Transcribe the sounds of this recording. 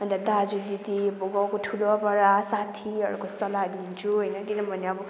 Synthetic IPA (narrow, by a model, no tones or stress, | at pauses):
ɦʌnd̪ad̪ad͡zud̪it̪iboɡawkoʈʰuloʌpʌɾasat̪ʰiʌ̰ɾukosʌlad̪int͡sʰuɦʌjnʌkinʌmbʱʌneʌbʌ